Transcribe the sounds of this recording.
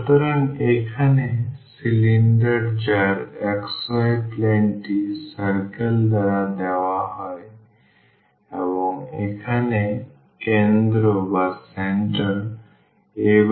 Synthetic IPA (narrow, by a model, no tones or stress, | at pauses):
t̪əɾənekʰanesiliɳɖəɾd͡ʒaɾeksɔepleɳʈisəɾkəld̪əɾad̪ɛʋaɦɔe | ebɔŋekʰane | kẽnd̪ɾobaseɳʈəɾ | e